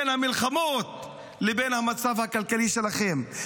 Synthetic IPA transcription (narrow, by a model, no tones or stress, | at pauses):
nhamilχamo̞t̪̚ | lebenhamat͡savhakalkaliʃe̞laχe̞m